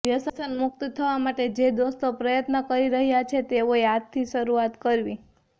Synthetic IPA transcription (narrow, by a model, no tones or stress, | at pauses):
ʋjəsəsənmʊk̚t̪t̪ʰəʋamaʈed͡ʒed̪ost̪opɾəjət̪nəkəɾiɾəɦjat͡ʃʰet̪eoeat̪t̪ʰːiʃəɾuat̪kəɾʋi